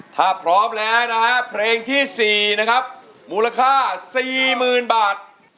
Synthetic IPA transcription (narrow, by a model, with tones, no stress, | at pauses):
t̪ʰaː˥˩pʰɾɔː˦˥mlɛː˦˥wna˦˥ka˦˥pʰleː˧ŋt̪ʰiː˥˩siː˨˩na˦˥kʰa˦˥p̚ | muː˧la˧kʰaː˥˩siː˨˩mɯː˨˩nbaː˨˩t̪̚